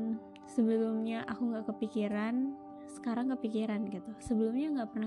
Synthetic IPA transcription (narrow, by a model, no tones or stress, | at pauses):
səbəlʊmɲaʔakuŋɡaʔkəpikiɾan | sə̥kaɾaŋkəpikiɾanɡit̪usəbəlʊmɲaŋɡaʔpərna